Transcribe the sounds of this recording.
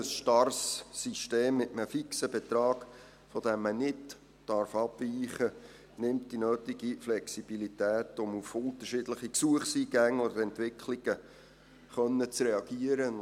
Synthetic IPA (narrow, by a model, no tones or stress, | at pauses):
əsʃtɑrsːiʃteːmːɪtəməfiksəbɛt̪ɾɑːɡ̥ | fɔd̥ɛmːənɪd | d̥ɑɾfɑb̥viːχə | nɪmt̚d̥inøːtiɡiflɛksib̥ilitæːtʊmufʊnt̪əɾʃɪdləχiksuəχsiːɡ̥æŋːodəɾɛntʋɪkʰliɡ̥ə | χœnːət͡srɛɑɡ̥iəɾə